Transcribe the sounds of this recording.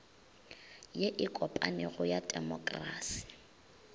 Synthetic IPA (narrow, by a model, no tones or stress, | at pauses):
jeʔɪkʼɔpʼa̰nɪɣʊjadʼɛmɔkʼra̰ːsi̥